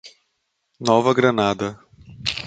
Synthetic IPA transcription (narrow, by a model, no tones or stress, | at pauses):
nɔvɐɡɾɐnad̪ɐ